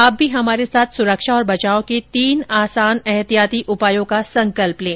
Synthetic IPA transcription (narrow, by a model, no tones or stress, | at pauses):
aːpb̚bʱiɦɐmaːɾesaːt̪ʰsʊɾəkʃaɔːɾbɐt͡ʃaːõket̪iːnaːsaːnɛɦt̪ijaːt̪iʔʊpaːjõkasɐ̃ŋkəlplẽː